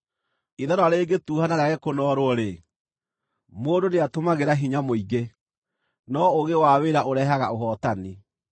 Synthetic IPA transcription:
iðaɾɔaɾeːɡetuːhanaɾaɣɛkonɔːɾoɔɾe | moːdoneatomaɣeɾaɦiɲamoiɣe | nɔoɣewaweɾaʔoɾɛɦaɣaoɦɔtani

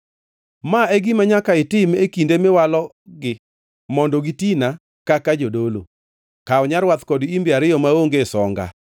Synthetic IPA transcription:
maeɡimaɲakaɪtɪmekindemɪwalɔ | ɡɪ | mɔndɔɡitina | kakad͡ʒodolo̰ | kaɔɲaɾwat̪kɔdimbjaɾɪjɔmaoŋɡesɔŋɡa̰

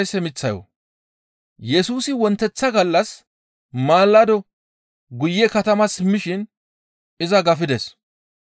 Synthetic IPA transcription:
jsɛmɪt͡sːɐjɔ̰ | jɛsuːsɪwɔnt̪ːɛt͡sːɐɡɐlːɐs | maːlːɐd̪ɔ | ɡʊjːɛkɐt̪ɐmɐsɪmːɪʃɪn | ɪzɐɡɐfɪd̪ɛs

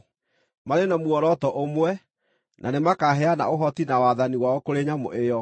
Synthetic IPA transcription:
maɾenamuɔɾɔtɔʔomwɛ | nʔanemakaɦɛana̰oɦɔtinawaðaniwaɔkoɾeɲamo̰ʔejɔ

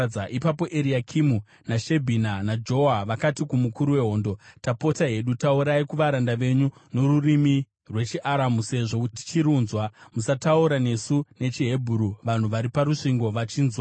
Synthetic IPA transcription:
aʔipapo̞ʔeɾiakʰimu | naʃe̞bʱinanad͡ʒo̞aʋakatikumukuɾuwe̞ɦo̞ːndo̞tapo̞taɦe̞ɗutauɾaikuʋaɾandaʋe̞ɲuno̞ɾurimi | rwe̞t͡ʃiʔaɾamuse̞ʐo̞kuti̥t͡ʃiɾuːnzwamusatauɾane̞sune̞t͡ʃiɦe̞bʱuɾuʋan̤uʋaɾipaɾuʂiŋɡo̞ʋat͡ʃiːnzwa

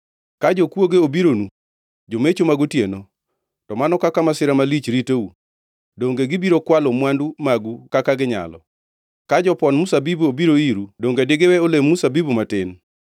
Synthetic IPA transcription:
kad͡ʒokwoɡeobiɾonu | d͡ʒomet͡ʃomaɡutjeno | tɔmanɔkakamasɪɾamalit͡ʃɾiteu | doŋɡeɡɪbiɾokwalomwandumaɡukakaɡɪɲa̰lɔ̰ | kad͡ʒɔpɔnmusabibuobiɾoiɾudoŋɡedɪɡewɛolemːusabibumatɪn

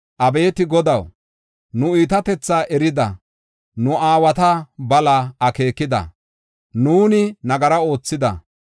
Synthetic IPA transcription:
ʔɐbe̞ːt̪ɪɡɔd̪ɐw | nʊiːt̪ɐt̪ɛt͡sːaːʔɛɾɪd̪ɐ̰ | nʊʔaːwɐt̪ɐbɐlaɐke̞ːkːɪd̪ɐ̰ | nuːnɪnɐɡɐɾɐo̞ːt͡sːɪd̪ɐ̰

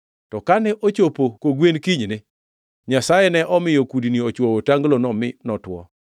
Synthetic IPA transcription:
tɔkanɛʔot͡ʃopokoɡwenkiɲne | ɲasajɛnɛʔɔmɪjokudiniot͡ʃwɔwotaŋɡlonɔmɪnɔtwɔ̰

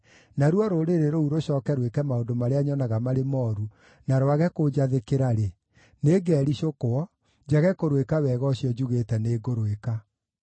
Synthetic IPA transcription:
naɾuɔɾoɾeɾeɾouɾoɕɔːkɛɾwekɛmaondomaɾeaɲɔnaɣamaɾemɔːɾu | naɾwaɣɛkod͡ʒaðekeɾaɾe | neːɡɛɾiɕokoɔ | d͡ʑaɣɛkoɾwekawɛɣɔɕjɔd͡ʑuɣetɛneːɡoɾoeka

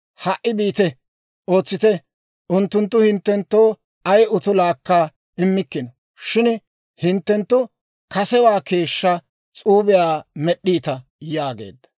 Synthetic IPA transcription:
hɐʔːɪbiːt̪ɛ | o̞ːt͡sːɪt̪ɛ | ʔʊnt̪ːʊnt̪ːʊhɪnt̪ːɛnt̪ːo̞ː | ɐjʔʊt̪ʊlaːkːaː | ɪmːɪkːɪnɔ | ʃɪn | hɪnt̪ːɛnt̪ːʊ | kɐsɛwaːke̞ːʃːɐ | t͡sʼuːbɪjaːmɛɗːiːt̪ɐ | jaːɡe̞̰ːd̪ːɐ̥

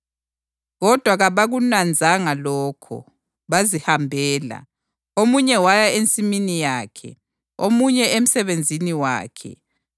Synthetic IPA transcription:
ɣɔd̥ʱwaɣaβaɣunand͡zʱaŋalɔːkʰɔ̰ | βazihambʱɛːla̰ | omuɲɛwajaent͡sʼiminijaːkʰɛ̰ | omuɲɛem̩sɛβend͡zʱiniwa̰ːkʰɛ̰

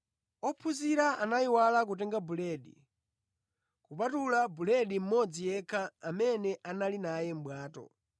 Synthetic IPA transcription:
ɔpʰuziɾaʔanaiwalak̬utɛŋɡabulɛɗḭ | kupatulabulɛɗim̩mɔd͡zijɛkʰaːmɛnɛʔanalinajɛm̩bwaːtɔ̰

